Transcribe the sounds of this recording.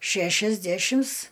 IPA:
ˈʃʲæʃʲɛzʲdʲæʃʲɪms

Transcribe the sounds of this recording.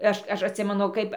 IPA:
ˈɐʃ ˈɐʃ ɐtʲˈsʲɪmʲɛnʊ ˈkɐɪp

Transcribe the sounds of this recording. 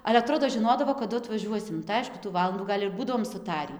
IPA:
ɐlʲɛ ɐˈtroːdoː ʒʲɪˈnoːdɐʋoː kɐˈdʊ ɐtʋɐˈʒʲuɔsʲɪm tɐɪ ˈɐɪʃkʊ tuː ˈʋɑːlˠɐnduː ˈɡɐlʲ ɪr ˈbuːdɐʋoːm sʊˈtɑːrʲiː

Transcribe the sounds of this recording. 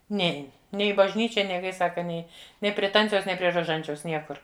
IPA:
ˈnʲɛɪn ˈnʲɛɪ ɪ bɐʒʲˈnʲiːt͡ʃʲɛ ˈnʲɛɪ ˈkɐɪ ˈsɑːkɐ ˈnʲɛɪ ˈnʲɛɪ pʲrʲiɛ ˈtɐnʲt͡sʲɛʊs ˈnʲɛɪ pʲrʲiɛ roːˈʒɐnʲt͡ʃʲɛʊs ˈnʲiɛkʊr

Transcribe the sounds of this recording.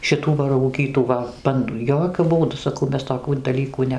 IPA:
ʃʲɪˈtuː ʋɐ rɐʊˈɡʲiːtuː ʋɐ ˈbɐndʊ ˈjoːkʲʊ ˈbuːdʊ sɐˈkɐʊ ˈmʲɛs toːˈkʲuː dɐˈlʲiːkuː ˈnʲɛ

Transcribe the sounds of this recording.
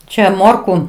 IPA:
ˈt͡ʃʲɛ ˈmoːrkʊ

